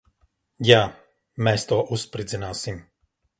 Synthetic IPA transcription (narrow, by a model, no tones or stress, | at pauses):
ja | mɛst̪ɔʔuspɾizɛnasim